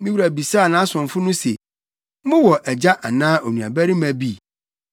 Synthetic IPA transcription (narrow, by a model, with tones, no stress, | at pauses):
mĩ˦wu˨ɾæ˨bi˨saː˦˨nãː˦sʊ̃˨nfʊ˦nʊ̃˦sḛ˨ | mʊ̃˦wɔ˨ʔɛ˨d͡ʑa˦ʔa˨nãː˦ʔo˨nũ˨a̰˨bæ˦ɾi˦mæ̃˨bi˦˨